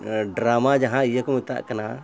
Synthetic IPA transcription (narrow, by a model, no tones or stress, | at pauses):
ɖɾamad͡ʒaɦãijakɔmit̪a̰ʔkana